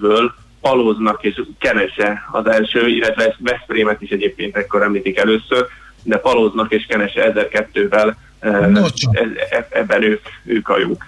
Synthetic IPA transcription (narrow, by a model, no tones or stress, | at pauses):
bøːl | pɒloːznɒkeːʃkɛnɛʃɛɒ̰zɛlʃøːḭlːɛt̪ʋɛsvɛspreːmɛt̪iʃɛɟeːp̚keːnt̪ɛkːo̞ɾɛmliːt̪ikɛløːsør | d̪ɛpɒloːznɒkeːʃkɛnɛʃɛɛzɛrkɛt̪ːøːvɛl | ɛɛɛbːɛnøːkøːkɒ̰jṵk